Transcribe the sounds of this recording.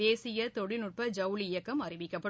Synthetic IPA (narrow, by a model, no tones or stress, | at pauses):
eːsɪjɐt̪ɔɽɪnʊʈ̚pɐd͡ʒɐʋlɪjɐkːɐmɐrɪʋɪkːɐpːɐ